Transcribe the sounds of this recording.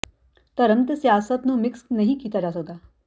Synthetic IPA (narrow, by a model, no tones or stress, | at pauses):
t̪ɐɾənt̪əsjaːsət̪numɪksnɐɦĩkiːt̪ad͡ʒaːs̬ɐk̚d̪aː